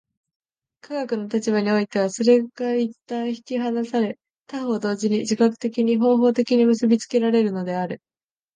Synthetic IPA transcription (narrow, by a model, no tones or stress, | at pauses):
kʰaɡakɯ̟no̞t̪at͡ɕibaɲ̟io̞it̪e̞β̞aso̞ɾe̞ɡait̪ːãɰ̃çi̥kʲiɦanasaɾe̞ | t̪aho̞d̪o̞ːʑiɲ̟id͡ʑikakɯ̟̥t̪e̞kʲiɲ̟iɦo̞ːɦo̞ːt̪e̞kʲiɲ̟imɯ̟sɨbʲit͡sɨ̥ke̞ɾaɾe̞ɾɯ̟no̞d̪e̞aɾɯ̟